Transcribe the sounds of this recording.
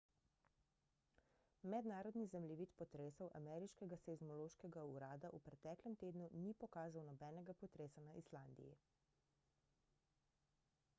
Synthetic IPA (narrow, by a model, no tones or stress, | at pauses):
mɛd̪naːɾɔd̪nizɛmliʋiːt̪pɔt̪ɾeːsɔwʔa̰mɛːɾiʃkɛɡasɛzmɔloːʃkɛɡauɾaːd̪aʔupɾɛt̪ːɛːklɛmt̪eːd̪nunipɔkaːzawnɔbɛːnɛɡapɔt̪ɾeːsanaʔisland̪ḭjḭ